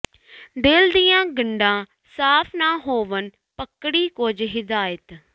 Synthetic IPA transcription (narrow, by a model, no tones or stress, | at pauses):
d̪eːld̪ijãːɡəɳɖãː | saːpʰnãːɦoːʋən | pəkɽiːkod͡ʒɦɪd̪aːjət̪